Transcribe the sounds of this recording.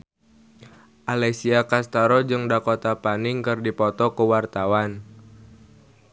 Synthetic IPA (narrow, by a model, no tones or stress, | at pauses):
ʔalɛsiakast̪aɾɔd͡ʒɨŋdakot̪apaniŋkɨrdipɔt̪ɔkəwart̪awan